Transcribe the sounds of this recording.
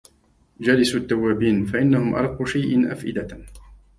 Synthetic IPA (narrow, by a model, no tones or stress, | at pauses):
d͡ʒalɪsut̪ːawːaːbiːnfaʔɪnːahʊmʔɑ̰ɾˤɑqːuːʃajʔɪnʔa̰fʔɪ̰d̪a